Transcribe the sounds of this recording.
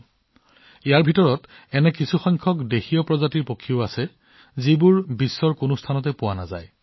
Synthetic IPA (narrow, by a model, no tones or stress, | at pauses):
ijaɹbʱitɔɹɔt | ɛnɛkisʰuxɔjŋkʰɔkdexijɔpɹɔzatiɹpokʰːiʊasɛ | zibʊɹbisːɔɹkʊnʊstʰanɔt̬ɛpʊwana̰za̰j